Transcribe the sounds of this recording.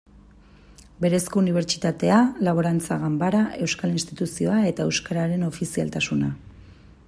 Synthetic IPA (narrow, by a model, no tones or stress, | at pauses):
be̞ɾe̞skouniβ̞e̞ɾt͡ʃi̥t̪at̪e̞alaβo̞ɾant͡saɣambaɾaʔe̞wskalinst̪it̪usio̞ae̞t̪ae̞wskaɾaɾe̞no̞fisia̰lt̪asuna